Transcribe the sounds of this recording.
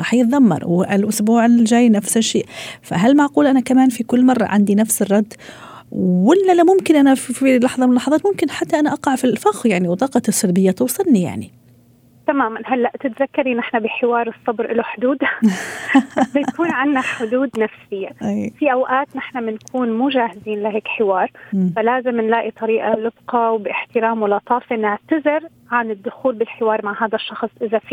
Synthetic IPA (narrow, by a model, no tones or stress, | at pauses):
ɾɑːħjɪt̪ˤðɑmːɑ̰ɾˤwɪlʔʊsbuːʕɪlʒaːjːnafsɪʃːeːʔfa̰ɦalmaʕquːlʔanakamaːnfikʊlːmɑrˤːɑ̰ʕa̰nd̪inafsɪrˤːɑd̪ː | wɪlːalamʊmkɪnʔanaffilɑħðˤɑmɪnlɑħɑðˤɑːt̪mʊmkɪnħat̪ːaʔanaʔɑqɑʕfilfaxwjaʕniwt̪ˤɑːqɑsˤːɑlbɪjːat̪uːsˤɨlːija̰ʕni | t̪amaːmanɦalːaʔt̪ɪt̪zakːɑɾˤinɪħnabɪħɪwɑːɾˤɨsˤːɑbɾʔɪlaħʊd̪uːd̪ | ajakuːnʕɪnːaħʊd̪uːd̪nafsɪjːafiʔawʔaːt̪nɪħnamɪnkʰuːnmuːʒaːhɪziːnlɪɦeːkħɪwɑːɾˤfalaːzɪmɪnlaːʔit̪ˤɑɾiːʔalɪbqɑwbɪʔɪħt̪ɪɾaːmwɪlːɑt̪ˤɑːfinɪʕt̪azɪɾ | ʕanɪd̪ːʊxuːlbɪlħɪwɑːɾˤmaʕhaːd̪aʃːɑxsˤʔɪðaf